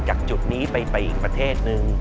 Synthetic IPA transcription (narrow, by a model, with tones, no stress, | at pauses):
t͡ɕaː˨˩k̚t͡ɕu˨˩t̪̚niː˦˥pa˧jpa˧jʔiː˨˩k̚pɾa˧t̪ʰeː˥˩t̪̚nɯ˧ŋ